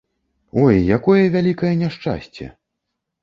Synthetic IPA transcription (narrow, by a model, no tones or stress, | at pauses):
ɔjːakɔjɐvʲalʲikɐjɛnʲaʂt͡ʂa̰sʲt͡sʲɛ̰